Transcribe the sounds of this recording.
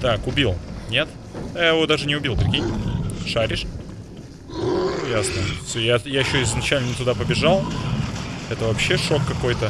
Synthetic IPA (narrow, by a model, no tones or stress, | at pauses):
t̪akʊbʲilˠnʲe̞t̪ | jajɪvod̪aʐɨnʲɪʊbʲilˠd̪ʲɪɾʲɡʲejnʲɪʂaɾʲɪʂ | jasnəfsʲojajajɪɕːoɪznɐt͡ɕælʲnənɪt̪ʊd̪apəbʲɪʐalˠ | ɛt̪əvɐpɕːe̞ʂo̞kːɐko̞jt̪ə